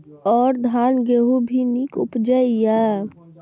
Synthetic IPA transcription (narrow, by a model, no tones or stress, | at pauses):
ɔːɾd̪ʱaːnɡeɦubʱinikʊpd͡ʒəija